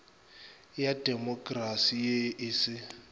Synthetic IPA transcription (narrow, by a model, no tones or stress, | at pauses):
jadʱemɔkʼrasijeʔɪsɪ